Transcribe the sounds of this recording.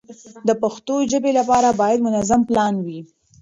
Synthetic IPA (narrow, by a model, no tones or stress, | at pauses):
d̪əpaxt̪oʒəbelapɑɾabɑjad̪mʊnazamplɑnwi